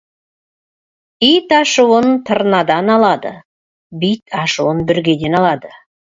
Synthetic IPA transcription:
ijt̪ɑʃuwənt̪ʰəɾənɑd̪ɑnɑlˠɑd̪ə̰ | bijt̪ʰɑʃuwənbʏɾɡʲe̞d̪e̞nɑlˠɑd̪ə

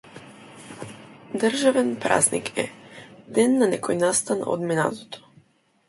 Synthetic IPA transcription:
d̪ər̩ʒavɛnpɾa̰znḭkʰɛ̰d̪ɛnːanɛkʰɔjnast̪ano̰d̪mɛna̰t̪ot̪ʰo̥

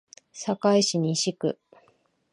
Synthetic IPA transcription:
sakaiɕiɲ̟iɕikɯ̟̰

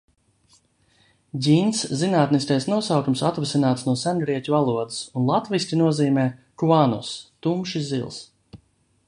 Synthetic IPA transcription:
ɟʲinszinaːt̪niskajsnuɔsawkumsat̪vasinaːt̪snuɔsænɡɾiɛcʲuvalˠuɔd̪ɨsunlˠat̪visʲt̪ʲinuɔziːmɛːkuanɔ̰st̪umʃizilˠs

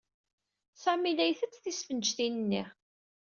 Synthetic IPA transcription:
sæmilæjθət͡sːθisfənʒθinənːḭʁ

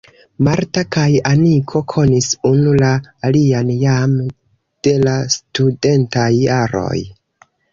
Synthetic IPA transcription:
maɾtakajamikʰo̞kʰo̞nisunulaːlianjam | d̥e̞lastude̞ntajːaɾo̞̰j

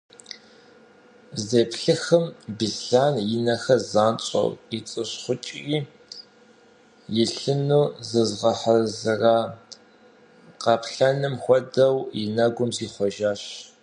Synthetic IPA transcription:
zeːpɬɨxɨmbiɮɬaːnjɪnɐxɐzaːnt͡ʃʼɐ̰rit͡sʼɨɕχʷʊt͡ʃʼiː | jɪɬɨnuːzɨzʁɐħɐzɨraː | qɑpɬɐnɨmxʷɔdɐwjɪnɐɡʷʊmziːχʷɔʒaːɕ

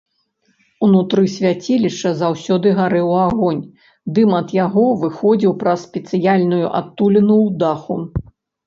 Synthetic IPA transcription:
unut̪ɾɨsʲvʲat͡sʲilʲiʂɐzawsʲɔd̪ɨɣaɾɛwaɣɔnʲ | d̪ɨmɐd̪jaɣɔvɨxɔd͡zʲiwpɾɐsʲpʲɛt̪sɨjalʲnujṵʔa̰t̪ːulʲinuwd̪axu

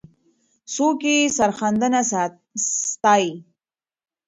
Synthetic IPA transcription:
sokesaɾxand̪əna | st̪ɑi

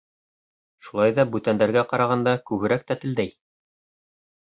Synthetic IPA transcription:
ʃulˠɑjðɑbʉt̪ænd̪æɾɡæqɑɾɑʁɑnd̪ɑkʉβɘ̆ɾæk̚t̪æt̪ɘ̆ld̪æj

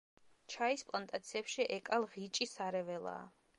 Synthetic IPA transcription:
t͡ʃʰaispʼlˠant̪ʼat̪sʰiɛpʃiʔɛkʼalˠʁit͡ʃʼisaɾɛvɛlˠa̰ː

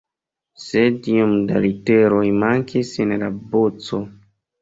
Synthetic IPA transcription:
sediomda̰liteɾojmaŋkʰisinlabot͡so̞

